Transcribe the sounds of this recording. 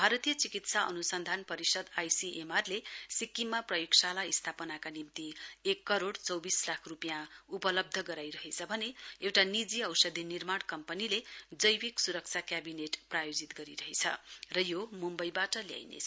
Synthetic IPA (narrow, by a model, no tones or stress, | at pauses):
bʱaɾʌt̪ijʌt͡sikit̪saʔʌ̰nusʌnd̪ʱanpʌɾisʌd̪ajsiʔemarlesikːimːaprʌjoksalaist̪ʰapʌnakanimt̪iekːʌɾoɽt͡sʌwbislakʰrupjãupʌlʌb̚d̪ʱʌɡʌɾajɾʌɦet͡sʰʌbʱʌneewʈanid͡ziʌwsʌd̪ʱinirmaɽ̃kʌmpʌniled͡zʌjbiksuɾʌk̚t͡sʰjakjabineʈprajod͡zit̪ɡʌɾiɾʌɦet͡sʰʌ̰rʌjomumbʌjbaʈʌlja̰jnḛt͡sʰ